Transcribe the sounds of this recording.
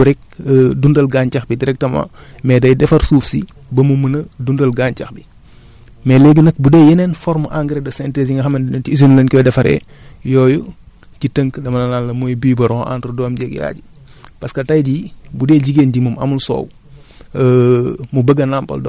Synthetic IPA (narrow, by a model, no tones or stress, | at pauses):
uɾɛk̚ːdundɐlɡaɲcɐxbidiɾɛk̚tɐmɐ̰mɛdɐjdɛfɐɾsuːfsḭ | bɐmumənɐdundɐlɡaːɲcɐxbi | mɛlɛːɡənɐk̚budɛːjɛnɛnfɔɾmʔaŋɡɾɛdɐsɛntɛːsiŋɡɐxɐmɐndniis̬unlɐnkɔdɛfɐɾɛ̰ | jɔːju | citəŋkdɐmɐnɐnaːlːɐmujbiːbɐɾɔʔa̰ːntɾdɔːmɟɛɡja̰ːɟi | pɐskɐtajdibudɛːɟiɡeːnɟimumɐ̰mulsɔ̰ːw | mubəɡːɐnampɐ̰ld